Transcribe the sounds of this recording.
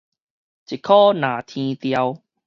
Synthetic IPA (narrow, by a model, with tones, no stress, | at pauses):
t͡ɕi˨kʰːɔ˦nã˨˩t̪ʰĩ˧t̪ja˧w